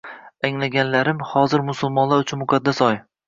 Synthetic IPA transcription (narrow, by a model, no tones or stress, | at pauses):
aŋlaɡʲanlaɾɪmhɒzɪɾmʊsʊlˠmɒnlaɾʊt͡ʃʰʊnmʊqʰad̪ːasɒj